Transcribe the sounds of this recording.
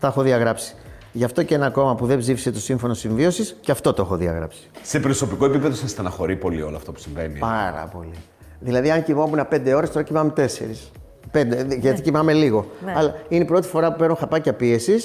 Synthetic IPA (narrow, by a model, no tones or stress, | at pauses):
texo̞ðiɐɣɾɐpsi̥ | ʝɐft̪o̞ceenɐko̞mɐpuðebzifise̞t̪o̞siɱfo̞no̞siɱvio̞sisceɐft̪o̞t̪oexo̞ðiɐ̰ɣɾɐ̰psi̥se̞pɾoso̞pikoepipeðosɐst̪ɐnɐxo̞ɾipo̞lio̞loɐft̪o̞pu̥siɱve̞nḭpɐɾɐ̰po̞̰li | ðilɐðiɐŋcimo̞munɐpe̞nd̪e̞o̞ɾest̪o̞ɾɐcimɐmet̪e̞se̞̰ɾis | pe̞nd̪eʝɐt̪icimɐme̞liɣo̞ɐlɐinepɾo̞t̪i̥fo̞ɾɐpupeɾnunxɐpɐcɐpie̞sis